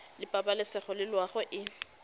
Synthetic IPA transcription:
lɪpʼabalɪsɛχɔlɪlwaχɔʔɪ

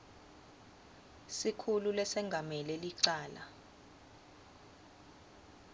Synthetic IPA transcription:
sikʰululɛsɛŋɡʱamɛlɛliǀaːla

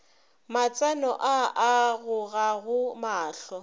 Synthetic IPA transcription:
mat͡sʼanɔʔaaɣʊɣaɣʊmaːɬɔ

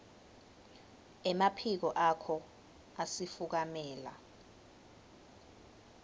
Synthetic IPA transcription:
ɛmapʰik̬ɔʔakʰɔ | asifuk̬amɛːla̰

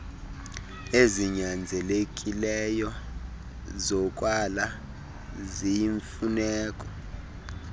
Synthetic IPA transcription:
eziɲand͡zʱɛlekʼilɛjɔ | zɔkʼwala | zijiɱfunɛːkʼɔ̥

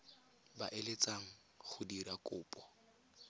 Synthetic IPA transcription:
ba̰ʔelet͡saŋ̩ | χʊdirakʼʊːpʼɔ̥

